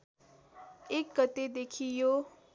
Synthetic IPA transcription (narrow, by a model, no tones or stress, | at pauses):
ekːət̪ed̪ekʰijo